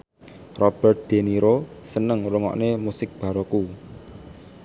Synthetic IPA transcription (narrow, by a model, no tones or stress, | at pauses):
rɔb̥ərt̪̚d̪̥e̤niɾo | sənəŋɾəŋɔ̰ʔnemusɪk̚b̥a̤ɾoku